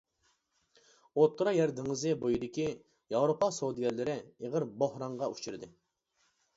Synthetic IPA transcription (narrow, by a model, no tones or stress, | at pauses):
ot̪ʰːuɾɑjɛɾd̪ɪŋɨzɨbojid̪ɪkʲi | jɑwɾopɑsod̪ɨjɛlːɪɾɪeʁəɾbohɾɑɴʁɑut͡ʃʰyɾɨd̪ɨ